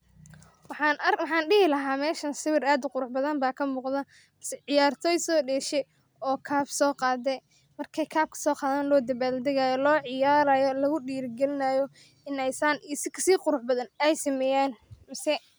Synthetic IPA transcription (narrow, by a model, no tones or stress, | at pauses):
wħɑɐwɑħɑːnɖɪhɪlɐɦaːmɛːʃɐnsɪβɪraːd̪ʊqʊɾʊħbɐðɐnbaːkʰɐmuːqðɐ | msɛʕɪjaːrt̪ʰɔːjsɔːɖɛːʃɛ | ɔːkʰaːbsɔːqɑːd̪ɛ | mɐrkʰɛjkʰaːb̚kʰɐ̥sɔːqɑːðaːnlɔːd̪ɐbaːld̪ɛɣaːjɔlɔːʕɪjaːɾaːjɔlɐɣʊɖiːɾɡɛlɪnaːjɔ | ɪnɛjsɐnʔisɪkʰɐsiːqʊɾʊħbɐðɐnɛjsɐmɛjaːnmɐsɛ